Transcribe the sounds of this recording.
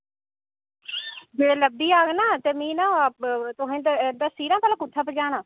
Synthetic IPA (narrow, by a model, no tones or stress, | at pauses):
d͡ʒeləb̚d̪iːaːɡnaːt̪eːmĩːnãːt̪ʊɦãːd̪d̪aːsiːɾãːpɛːlãːkʊt̪ʰːaːpəd͡ʒaːnãː